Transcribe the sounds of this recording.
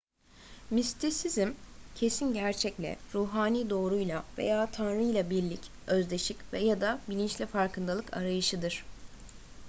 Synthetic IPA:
mist̪ʰisizimcʰe̞sinɟæɾt͡ʃʰɛclʲɛ̰ɾuːɦaːniːd̪o̞ːɾujlˠave̞̰jaːt̪ʰanɾɯjlˠabiɾlʲic | ø̞zd̪e̞ʃicvɛjad̪abilʲint͡ʃlʲifaɾkʰɯnd̪alˠɯkʰa̰ɾajɯʃɯd̪ɯɾ̥

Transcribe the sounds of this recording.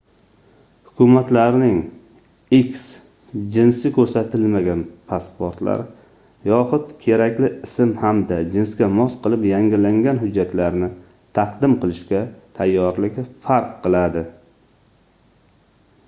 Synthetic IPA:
hʊkʲʰʊmat̪laɾnɪŋ | ikʲs | d͡ʒɪnsɪkʲʰɵɾsat̪ʰɪlmaɡʲanpʰaspoɾt̪la̰ɾ | jɒχʊt̪kʲʰe̞ɾakʲlɪɪsɪmhamd̪ad͡ʒɪnskʲamɒsqʰɨlˠɪpjaŋʲɪlaŋɡʲanɦʊd͡ʒːat̪laɾnɪ | t̪ʰɑqd̪ɪmqʰɨlˠɪʃkʲat̪ʰajːɒɾlɪkʲfaɾqʰːɨlˠad̪ɪ

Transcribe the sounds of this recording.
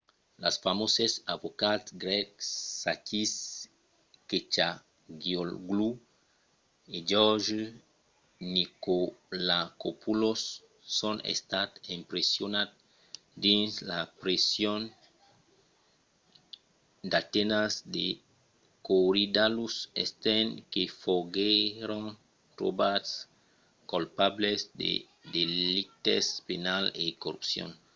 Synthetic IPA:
la̰sfamosesavokatsɡɾɛkːakis | ket͡ʃa | ɡjolɡlu | ed͡ʒɔʒ | nikolakopulosː | onḛst̪at̪empɾesjonat̪̚ | d̪inslapɾesjon | d̪at̪enasd̪e | koɾid̪alusḛst̪enkefoɡeɾon | t̪ɾo̰bas | kolpablesd̪ḛ | d̪elit̪espenalekorupsjo̰n

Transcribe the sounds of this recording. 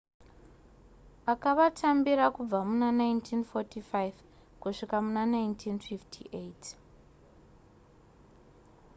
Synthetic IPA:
akaʋatʰambiɾakub͡vamunanajntʰinfotifajv | kuʂikamunanajntʰinfiftʰiʔet

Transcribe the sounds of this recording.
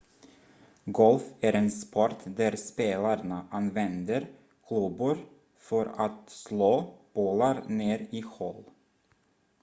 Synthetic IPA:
ɡɔlfæɾenspʰɔɾʈ̪d̪æɾspeːlaɾɳaʔanvɛnd̪əɾ | kʰlɵbʊɾ | fœɾat̪sloːb̥oːlaɾneːɾiɧɔl

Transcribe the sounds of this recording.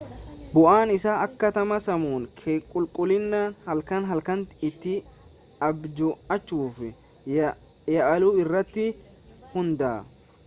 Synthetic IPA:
bʊʔaːnɪsaːʔɐkːɐt̪ɐmɐsɐmuːŋkʰekʼʊlkʼʊlɪnːaːnhɐlkɐnɦɐlkɐntɪt̪ːɪ | ɐbd͡ʒʊɐt͡ʃːuːfɪ | jɐʔɐluːɪrːɐt̪ːɪ | hʊnd̪ɐː

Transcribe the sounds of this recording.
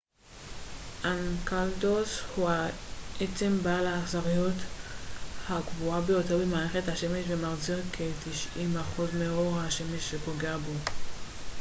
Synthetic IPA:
ʔankaldoshuhaet͡se̞mbalaːχzaʁijot | hakvuabejo̞teʁbemaːʁeχethaʃe̞me̞ʃvemaʁziʁkʰetiʃimaχuzmeo̞ʁhaʃe̞meʃːepo̞ɡeabo̞

